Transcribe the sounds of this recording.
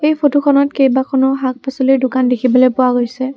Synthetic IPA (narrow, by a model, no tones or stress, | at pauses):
ejpʰotukʰɔnɔtkejbakʰɔnɔɦak̚pasɔlidʊkandekʰibɔlojpʊwaɡojsɛ